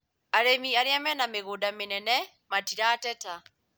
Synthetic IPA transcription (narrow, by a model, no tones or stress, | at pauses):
aɾemiaɾeamɛnameɣodamɪnɛnɛ | matiɾatɛta